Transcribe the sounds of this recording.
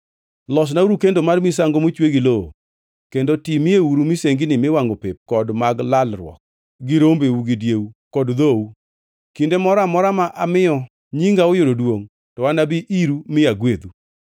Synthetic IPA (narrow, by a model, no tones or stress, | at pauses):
lɔs̬nauɾukendomarmis̬aŋɡomot͡ʃweɡiloo | kendotimɪeuɾumɪseŋɡɪnɪmɪwaŋɡopep̚kɔdmaɡlalɾwɔ̰k̚ | ɡɪɾombeuɡɪdjeukɔdd̪ou | kindemɔɾamɔɾamaʔamɪjɔ | ɲiŋɡaojoɾodwoŋ | tɔwanabiʔiɾumɪaɡwed̪u